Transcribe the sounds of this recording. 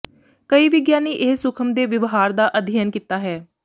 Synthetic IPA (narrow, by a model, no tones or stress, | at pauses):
kəiːʋɪɡjaːniːʔɪɦsʊkʰəmd̪eːʋɪʋɦaːɾd̪aːʔəd̪ʱiənkiːt̪aːɦɛː